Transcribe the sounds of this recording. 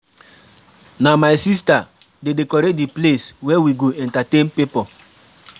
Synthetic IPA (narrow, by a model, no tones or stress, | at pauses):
namajsista | dedekɔɾedipleswɛwiɡoʔɛ̃ntatẽnpipɔ